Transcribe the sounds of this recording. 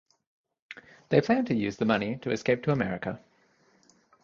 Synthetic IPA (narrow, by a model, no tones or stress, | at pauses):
ðeɪpʰl̥æ̃ntʰəjʉːzðəmʌnitʰəɛskeɪp̚tʰəəmɛɹɪkə